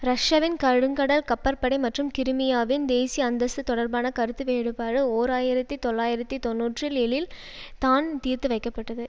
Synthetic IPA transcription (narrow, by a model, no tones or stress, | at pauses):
ɾɐʂɐʋɪnkɐɻɯŋɡɐɽɐlkɐpːɐɾpɐɽɐɪmɐʈrɯmkɪɾɯmɪjaːʋɪnd̪eːsiɐnd̪ɐsɯt̪ɔɽɐɾbaːnɐkɐɾɯt̪ːɯʋeːɽɯpaːɾɯoːɾaːjɪɾɐt̪ːit̪ɔlːaːjɪɾɐt̪ːit̪ɔnːuːʈrɪlɛɭɪl | t̪aːnt̪iːɾt̪ɯʋɐɪkːɐpːɐʈːɐðɯ